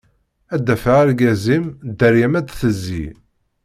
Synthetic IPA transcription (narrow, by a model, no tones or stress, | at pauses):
æd̪ːæfææɾɡæzimd̪əɾjæmæd̪θəzːḭ